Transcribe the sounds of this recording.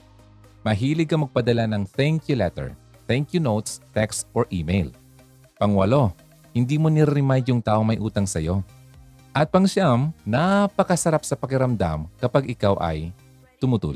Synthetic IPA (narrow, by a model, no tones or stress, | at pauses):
mɐɦiːlɪɡɐmɐɡ̚pɐd̪ɐlanɐŋθɛŋkjulɛt̪ɛ̰ɹ | θɛŋkjunowt̪st̪ɛkst̪ʔoɹʔiːmejl | pɐŋwɐ̰lo̞ | hɪnd̪iːmonɪɾaɾɪŋmajjʊŋt̪aːʔoŋmɐjʔuːt̪ɐŋsɐjo̞ | ʔɐt̪̚pɐŋʃamnapɐkɐsɐɾapsɐpɐkɪɾɐmd̪a̰mkɐpaɡʔɪkawʔɐ̰j | t̪ʊmʊt̪ṵːl